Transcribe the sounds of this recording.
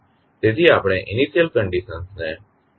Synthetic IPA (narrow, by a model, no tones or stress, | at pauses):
t̪eːd̪ʱiaːpɽ̃ẽːʔɪniːsijəlkə̃ɳɖisə̃nsnɛː